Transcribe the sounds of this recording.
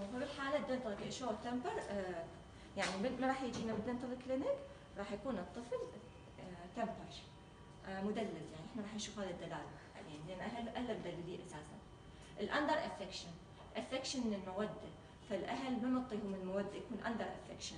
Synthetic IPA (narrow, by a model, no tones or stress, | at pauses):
habɪlħaːlad̪ɪnt̪ˤɑlɪkʔɪʃoːɣt̪ːambɨɾˤ | jaʕnimɪmaɾˤɑːħjɪd͡ʒiːnamʊd̪ːɪnt̪ˤɨlɪklɪnɪk | ɾˤɑːħjakuːnɨt̪ˤːɨfl | t̪ambɑɾˤ | mʊd̪alːaljaʕniʔɪħnaɾˤɑːħɪnʃuːfhaːðid̪ːalaːla | linlʔanːʔaɦalʔalːamd̪alːaliːʔasaːsan | ʔɪlʔand̪ɑɾˤʔafɪkʃan | ʔafɪkʃanmɪnɪlmawad̪ːa | falʔaɦalmanɑt̪ˤːijhumɪnlmawad̪ːajakuːnʔa̰nd̪ɑɾˤʔa̰fɪ̰kʃan